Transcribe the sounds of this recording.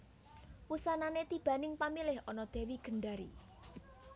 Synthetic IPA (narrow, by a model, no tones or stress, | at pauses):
wusananet̪ib̥ä̤nɪŋpamilɪhɔnɔd̪̥e̤wiɡ̥ə̤ɳɖaɾi